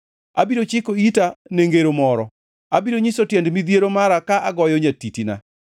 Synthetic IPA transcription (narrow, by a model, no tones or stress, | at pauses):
a̰biɾot͡ʃɪkoitaneŋɡeɾomɔɾɔ̰ | abiɾoɲisotjɛndmid̪jeɾomaɾakaʔaɡɔjɔɲatitina̰